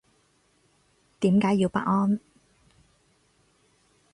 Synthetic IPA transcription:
t̪iː˨˥mkaː˨˥jːiː˨˧wpa̰ː˦˥ʔ̚ŋɔː˥n

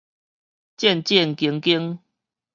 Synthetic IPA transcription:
t͡ɕjɛ˥˨nt͡ɕjɛ˥˨nki˧˦ŋki˦ŋ

